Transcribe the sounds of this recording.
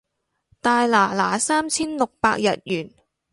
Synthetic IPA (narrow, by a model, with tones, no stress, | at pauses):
t̪aː˨˧jlaː˨˩laː˨˩saː˥mt͡sʰiː˥nlʊ˨k̚pa̰ː˧k̚jɐ̰˨t̚jyː˨˩n